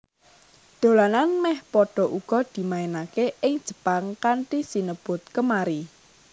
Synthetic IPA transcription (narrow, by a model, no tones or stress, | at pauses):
d̪̥o̤lananmɛhpɔɖ̥ɔ̤ʔuɡ̥ɔd̪̥i̤maenakeʔɪŋd̥ʒ̥ə̤paŋkaɳʈisinəb̥ʊ̤t̪̚kəmaɾi